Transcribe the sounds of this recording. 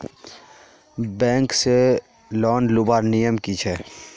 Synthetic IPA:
bɛ̃ːŋkse | lɔːnlʊbaːɾnijəmkit͡ʃʰɛ

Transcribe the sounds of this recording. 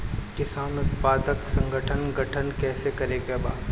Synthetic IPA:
kɪsaːnʊt̪paːd̪əksɐ̃ŋɡʱəʈʰənɡʱɐʈʰənkɛːsekɐɾeːkebaːd̪

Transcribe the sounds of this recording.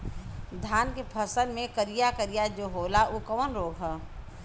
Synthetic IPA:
d̪ʱaːnkepʰəsənmẽkəɾijakəɾijad͡ʒoɦoːlaʔukəʋənɾoːɡɦɛː

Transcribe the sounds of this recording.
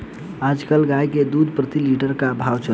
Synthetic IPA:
ad͡ʒkəlɡajked̪ud̪pɾət̪iliʈəɾkabʱawt͡ʃə

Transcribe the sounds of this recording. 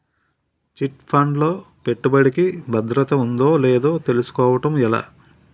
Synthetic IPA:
t͡ʃiʈpʰɐɳɖlo̞ː | pe̞ʈːubɐɽikibʱɐd̪ɾɐt̪ɐund̪o̞ːle̞ːd̪oːt̪e̞lusu̥kɔːʋɐʈɐmɛla̰ː

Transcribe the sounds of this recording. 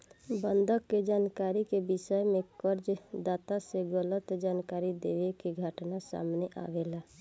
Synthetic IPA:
bənd̪ʱəkːed͡ʒankaɾikebisəjmekəɾd͡ʒd̪at̪aseɡələt̪d͡ʒankaɾid̪ḛʋekeɡʱəʈnasa̰mneʔa̰ʋela

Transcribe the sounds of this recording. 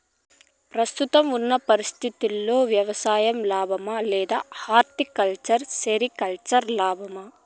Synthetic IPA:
pɾɐst̪ut̪ɐmunːɐpɐɾist̪ʰit̪ilːoːʋjɐʋɐsaːjɐmlaːbʱɐmɐleːd̪ɐhaːɾt̪ikɐlt͡ʃɐɾseɾikɐlt͡ʃɐɾlaːbʱɐmɐ

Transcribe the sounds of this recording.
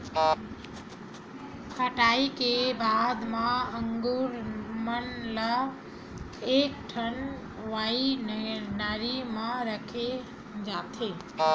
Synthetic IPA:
kʰəʈaikebad̪maəŋɡuɾmənlə | ek̚ʈʰən | ʋai | naɾiməɾəkʰe | d͡ʒat̪ʰe

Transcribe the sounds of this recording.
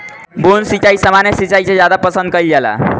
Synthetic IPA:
bonsit͡ʃaisəmanjesit͡ʃaisẽd͡ʒjad̪apəsə̃nd̪̚kəild͡ʒɛla̰

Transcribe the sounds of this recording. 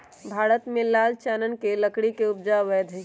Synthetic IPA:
bʱaːɾət̪mẽlaːlt͡ʃaːnənkeləkɽikeʊpd͡ʒaʋɛːd̪ʱ

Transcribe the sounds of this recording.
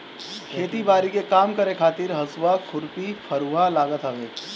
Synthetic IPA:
kʰeːʈ̪ibaːɾikekaːmkəɾekʰaːt̪ɪɾɦɐswakʰʊɾpifʰɐɾuːɦalaːɡət̪ɦɐʋeː

